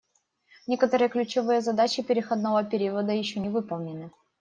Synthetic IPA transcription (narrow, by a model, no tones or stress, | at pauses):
nʲekət̪əɾɨjəklʲʉt͡ɕɪvɨjəzɐd̪at͡ɕɪpʲɪɾʲɪxɐd̪novəpʲɪɾʲivəd̪əjɪɕːonʲɪvɨpəlˠnʲɪnɨ